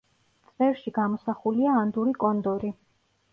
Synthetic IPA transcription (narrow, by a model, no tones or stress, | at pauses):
t̪sʼɛɾʃiɡamɔsaχuliaːnd̪uɾikʼɔnd̪ɔɾi